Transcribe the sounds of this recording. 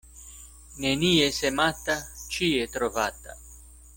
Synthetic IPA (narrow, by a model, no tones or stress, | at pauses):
neniːesemat̪ːat͡ʃiet̪ɾovat̪ːa̰